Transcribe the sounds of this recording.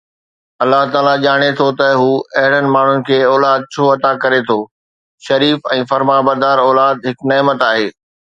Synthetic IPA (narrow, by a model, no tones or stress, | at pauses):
ɐlːaɦt̪aːlaʄaːɽ̃et̪ʰot̪ɐɦuːɐɦɪɽənɪ̆maːɳ̤ʊnɪ̆kʰeːɔːlaːd̪̚t͡ɕʰoːɐt̪akɐɾet̪ʰoː | ʃɐɾiːfɛ̃ːfɐɾmabɐɾd̪aːɾɔːlaːd̪ɦɪkneːmət̪aːɦeː